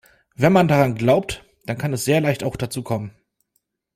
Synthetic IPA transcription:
vɛnmandaʁanɡlaʊp̚t | d̥ankʰanɛsz̥eːɐlaɪçtaʊxd̥at͡suːkʰɔmən

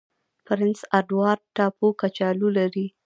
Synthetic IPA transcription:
pɾɪnsaɖwɑɾʈɑpukat͡ʃɑlulaɾi

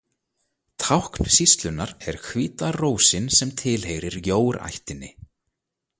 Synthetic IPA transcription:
t̪ʰawhkn̥sist̪lʏnːaɾɛɾ̥kʰviːt̪aroːwsɪnsɛmt̪ʰɪlɦejɾɪɾjoːwɾa̰jht̪ɪnːɪ̰

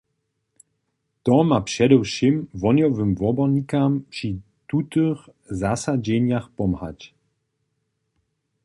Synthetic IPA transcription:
t̪ɔmapʂɛdɛwʃimvɔnjɔvəmvɔbɔɲikampʂi | t̪ut̪ɔx | zasad͡ʑɛɲjaxpɔmha̰c

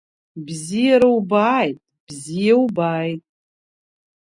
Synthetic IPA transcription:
bzijaɾawbaːjtʼb̥zijawbaːjtʼ

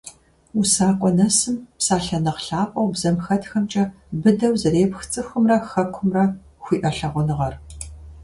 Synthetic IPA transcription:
usaːkʷʼɔnɐsɨmpsaːɬɐnɐqɬaːpʼɐwbzɐmxɐtxɐmt͡ʃʼɐ | bɨdɐwzɐɾeːpxt͡sʼɨxʷʊmrɐxɐkʷʰʊmrɐ | xʷiːʔɐɬɐʁʷʊnɨʁɐr

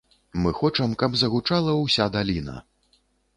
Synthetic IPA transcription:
mɨxɔt͡ʂɐmkɐbzɐɣut͡ʂalˠɐwsʲad̪alʲinɐ̰

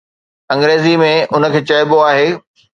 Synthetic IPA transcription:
ɐ̃ŋɡɾeːzimẽʊnə̆kʰeːt͡ɕɐɪboaːɦeː

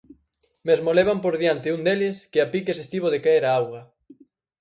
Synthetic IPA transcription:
mezmoleβ̞ampoɾðjant̪ɪuŋd̪elɪskɪapikesest̪iβ̞oðekaeɾaawɣɐ

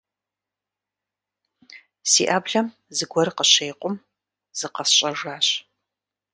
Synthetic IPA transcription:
sḭːʔaːbɮɐm | zɨɡʷɔrqəɕeːqʷʼʊm | z̥ɨqɐsɕʼɐʐaːɕ

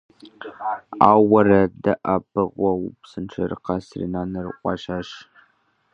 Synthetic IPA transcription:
aːwɐrɐdɐʔɐpʰɨʁʷɔwpsɨnʈ͡ʂʰɐrɨ̰qɑsrḭnaːnɐrɨqʷʼɑ̰ʃaːʃ

